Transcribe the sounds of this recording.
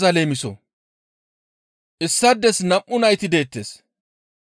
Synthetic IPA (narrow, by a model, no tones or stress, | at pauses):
zɐleːmɪsɔ̰ | ʔɪsːɐd̪ːɛsnɐmʔːʊnɐjt̪ɪd̪e̞ːt̪ːeːs